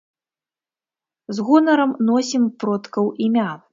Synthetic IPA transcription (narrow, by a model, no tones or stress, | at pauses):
zɣɔnɐɾɐmnɔsʲimpɾɔt̪kɐwʔimʲa